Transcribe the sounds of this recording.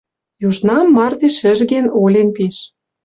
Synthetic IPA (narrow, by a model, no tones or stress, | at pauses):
juʒnɑmːɑrd̪eʃɘ̆ʒɣenolʲenpiʃ